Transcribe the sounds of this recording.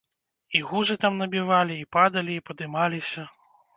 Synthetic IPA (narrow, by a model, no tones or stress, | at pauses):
iɣuzɨt̪amnɐbʲivalʲiːpad̪ɐlʲiːpɐd̪ɨmalʲisʲɐ